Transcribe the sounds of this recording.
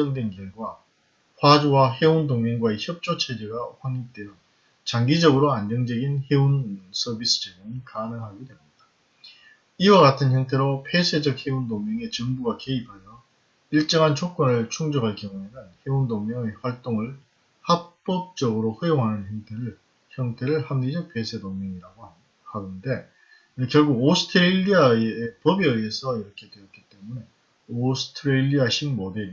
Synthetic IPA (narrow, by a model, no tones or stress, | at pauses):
ʌŋdwenɡiŋɡwa | ɸwad͡ʑuwahe̞undoŋmeŋɡwaeçjʌp̚t͡ɕ͈ot͡ɕʰed͡ʑeɡaɸwaɲit͈eɾo | t͡ɕaŋɡid͡ʑʌɡɯɾoand͡ʑʌŋd͡ʑʌɡinhe̞unsʰʌbis͈ɯ̥d͡ʑeɡɯnkanɯŋɦaɡidweunda | iwaɡatʰɯnçjʌŋtʰe̞ɾopʰe̞sʰe̞d͡ʑʌk̚he̞undoŋmʌŋe̞t͡ɕɯŋbuɡakeipʰajʌ | iɭt͡ɕ͈ʌŋɦant͡ɕʰok͈ʌnɯɭt͡ɕʰuŋd͡ʑʌɡɦaɭkjʌŋuenɯnhe̞undoŋmjʌŋe̞ɸwaɭt͈oŋɯɭ | hap͈ʌp̚t͡ɕ͈ʌɡɯɾoɸɯjoŋɦanɯnçjʌŋtʰe̞ɾɯɭ | çjʌŋtʰe̞ɾɯɭhanid͡ʑʌpʰe̞sʰe̞doŋmʌŋiɾaɡo | haɡɯnde̞ | ɯkjʌɭɡuɡosʰɯ̥tʰɯɾeʎːiaeepʌbiɯiesʰʌiɾʌkʰe̞dwe̞jʌt̚k͈it͈e̞mune̞ | osʰɯ̥tʰɯɾeʎiaɕʰimmodeɾi